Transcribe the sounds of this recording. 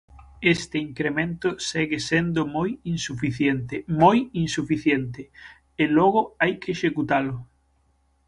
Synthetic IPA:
est̪eiŋkɾemẽnt̪ʊsɛɣesend̪ʊmojinsufiθjent̪emojinsufiθjent̪ɪ | elɔɣ̞oajkeːʃekut̪alʊ

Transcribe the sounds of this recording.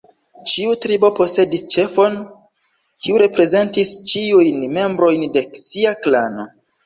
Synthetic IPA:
t͡ʃiutɾibo̞po̞se̞dist͡ʃe̞fo̞n | kʰiuɾe̞pɾe̞ze̞ntist͡ʃiujnme̞mbɾo̞jnde̞siaklano̞

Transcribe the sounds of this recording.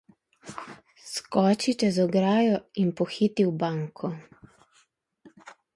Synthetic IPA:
skɔːt͡ʃit͡ʃɛzɔɡɾaːjɔinpɔxiːt̪iwbaŋkʰɔ

